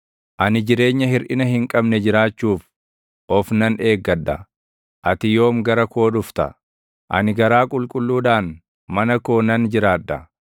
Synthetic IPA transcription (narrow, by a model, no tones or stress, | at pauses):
ʔɐnɪd͡ʒɪɾe̞ːɲːɐhɪɾʔɪnɐɦɪŋkʼɐbnɛd͡ʒɪɾaːt͡ʃːuːf | ʔɔfnɐne̞ːɡːɐd̪ːɐ | ʔɐt̪ɪjo̞ːmɡɐɾɐko̞ːd̪ʊft̪ɐ̰ | ʔɐ̰nɪɡɐɾaːkʼʊlkʼʊlːuːd̪aːn | mɐnɐko̞ːnɐnd͡ʒɪɾaːd̪ːɐ